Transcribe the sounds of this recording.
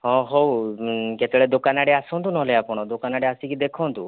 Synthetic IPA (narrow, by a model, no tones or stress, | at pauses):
ɦɔ̃ɦowket̪eɭed̪okanaɽeasɔ̃nt̪unɔɦleapɔɽ̃ɔd̪okanaɽeasikid̪ekʰɔnt̪u